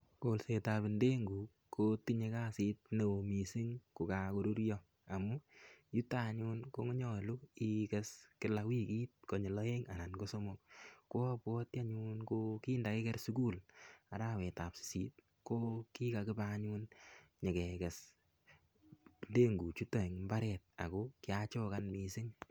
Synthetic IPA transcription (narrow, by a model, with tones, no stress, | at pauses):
ko˨lse˨tapɪ˨nde˦ŋɡu˨ | kʰo˦ti˦ɲe˧ka˦si˦t̚ne˨o˨mi˨si˦ŋku˨ka˨ko˨ɾu˦ɾjɔ˦ | a˨mu˦ju˦ta˦ɲu˦nko˦ŋɔ˦ɲɔ˨lu˦i˦kɛ˦skɪ˦la˧wi˦ki˦t̚kɔ˨ɲe˨lɔ˦e˦ŋa˨na˨nko˦so˦mo˦k̚ko˦pwɔ˦tja˦ɲunko˦ki˦nda˨ke˦kɛ˦rsu˦ku˦la˨ɾawɛ˨ta˨psi̥˨sit̚ | ko˦ki˦ka˨kɪ˦baɲu˦nɲe˨kɛ˨kɛ˨s | nde˦ŋɡu˨t͡ʃu˦to˨i˨ŋmba˦ɾɛ˨t̚a̰˨ko˦kɪ˦at͡ʃo˦ka˦nmi˨sɪ˦ŋ